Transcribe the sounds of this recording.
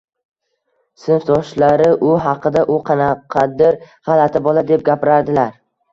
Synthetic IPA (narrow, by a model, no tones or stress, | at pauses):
sɪnft̪ʰɒʃlaɾɪʔʊɦɑqɨd̪aʔʊqʰɑnaqʰɑd̪ɪɾ | ʁɑlat̪ʰɪbɒlˠad̪e̞p̚ɡʲapɪɾaɾd̪ɪlaɾ